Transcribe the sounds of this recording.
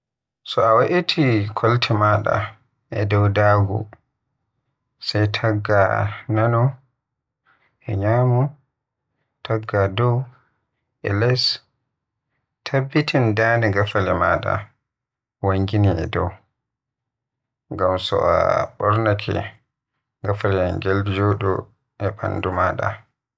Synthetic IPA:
sɔawaʔitʰikʰɔltʰɛmaɗa̰ | ʔɛ̰dɔwdaːɡṵ | sajtʰaɡːananɔ | ʔɛɲaːmu | tʰaɡːadɔw | ʔɛlɛs | tʰabːitindaniɡafalɛmaːɗa̰ | waŋɡiniɛ̰dɔw | ŋɡamsɔ̰ʔa̰ɓɔɾnakʰɛ̰ | ɡafalɛɡɛld͡ʒɔɗɔ | ʔɛɓa̰ndumaːɗa̰

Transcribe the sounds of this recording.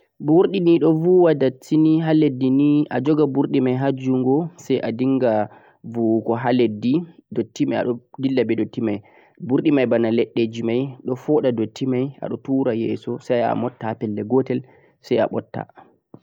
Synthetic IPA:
buɾɗiniɗɔvuwadatʰːiniɦaledːiniʔa̰d͡ʒɔɡabuɾɗimajɦad͡ʒuŋɡɔsajʔadiŋɡa | vukɔɦaledːidotːimaa̰ɗɔdilːabɛdotːimaj | buɾɗimajbanalɛɗːed͡ʒimajɗɔfɔɗadotʰːimaja̰ɗɔtuɾajɛːsɔsaja̰mɔtːapɛlːɛɡɔtɛl | saja̰ɓɔtːa̰

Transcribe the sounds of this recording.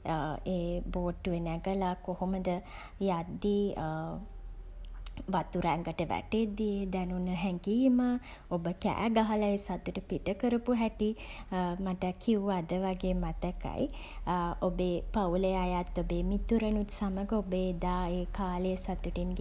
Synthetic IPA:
eːboːʈːuenæɡəlakohoməd̪ə | jad̪ːi | ʋat̪uɾaŋɡəʈəʋæ̰ʈed̪ied̪ænunəɦɛŋɡiːmə | obəkæ̰ːɡaɦalaesat̪ːuʈəpiʈəkəɾəpuɦɛʈi | maʈəkʰiuad̪əʋaɡeːmat̪əka̰j | obeːpaulejajat̪ːobeːmit̪uɾənut̪saməɡəobed̪aːeːkaːlejəsat̪ːuʈinɡ

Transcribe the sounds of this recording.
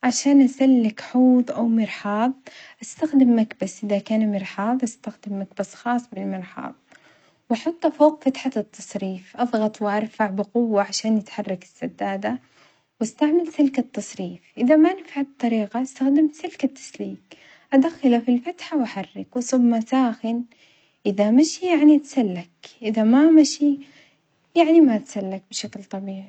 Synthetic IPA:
ʕaʃaːnʔasalːɪkħuːðˤʔawmɪɾħɑːðˤʔast̪axd̪ɪmːakbasʔɪðakaːnmɪɾħɑːðˤʔast̪axd̪ɪmːakbasxɑːsˤbɪlmɪɾħɑ̰ːðˤ | wʔɑħʊt̪ˤːafowqfat̪ħat̪ːɑsˤɾiːfʔɑðˤɣɑt̪ˤwɪʔɑɾˤfaʕbɪqʊwːaʕaʃaːnjɪt̪ħɑrˤːɑkɪ̥sːad̪ːaːd̪a | wast̪aʕmalsɪlkat̪ːɑsˤɾiːfʔɪðamanɪfʕab̚t̪ˤːɑɾiːqaʔast̪axd̪ɪmsɪlkat̪ʰːḁsliːk | ʔad̪axːalafilfat̪ħawaħarːɪkwɪsʊmːasaːxɪn | ʔɪðamaʃijaʕnit̪salːakʔɪðamamaʃi | jaʕnimaʔt̪salːak̚bɪʃaklt̪ˤɑbiːʕi

